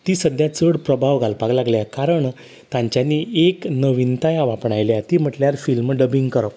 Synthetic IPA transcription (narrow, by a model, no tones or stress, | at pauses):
t̪iːsəd̪jat͡səɽpɾəbʱaʋɡʱalpaklaɡljakaɾəɳ | t̪ãɲt͡ɕjaniːeknəʋint̪ajaʋapɳajljat̪iːm̤əʈljaɾfilmɖəbiŋɡkəɾɔ